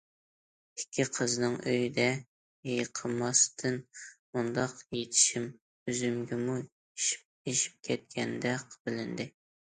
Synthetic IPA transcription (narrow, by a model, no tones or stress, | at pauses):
ɪ̥kʲʰːiqʰəznɨŋøjid̪ɛ | jejqʰəmːɑst̪ʰɨnmund̪ɑqjet̪ʰɪ̥ʃim | yzymɡʲɛmu | iʃ̚ | eʃi̥p̚kʲʰɛt̪̚kʲʰɛnd̪ɛqʰbɪlɪnd̪ɪ